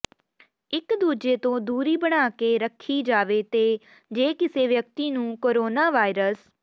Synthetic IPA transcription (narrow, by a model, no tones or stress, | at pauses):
ɪkd̪uːd͡ʒeːt̪õːd̪uːɾiːbəɽ̃aːkeːɾəkʰːiːd͡ʒaːʋeːt̪eː | d͡ʒeːkɪseːʋjək̚t̪iːnũːkoːɾoːnaːʋaːɪɾəs